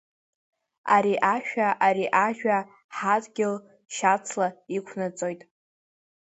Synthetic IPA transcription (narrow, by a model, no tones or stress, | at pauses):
aɾiʔaʃᶣaʔaɾiʔaʒᶣa | ħadʼɡʲɪl | ʃat͡sʰlaikʷʰnat͡sʼojtʼ